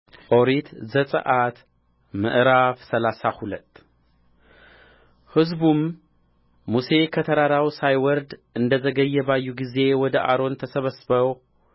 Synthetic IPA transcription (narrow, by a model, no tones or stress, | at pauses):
ʔʼoɾit̪zɐt͡sʼɨ̰ʔat̪ | mɨ̰ʔɾafsɐlasaxulɐt̪ʼ | hɨzbumː | use̞kʰɐt̪ʰɐɾaɾawsajwɔɾd̪ɨnd̪ɐzɐɡɐjːɐβajːuɡize̞wɔd̪ɐʔa̰ɾo̞nt̪ʰɐsɐβɐsbɐ